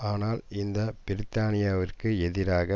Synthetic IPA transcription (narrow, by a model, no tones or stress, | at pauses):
aːnaːlɪnd̪ɐbɪɾɪt̪ːaːnɪjaːʋɪrkɯɛðɪɾaːɣɐ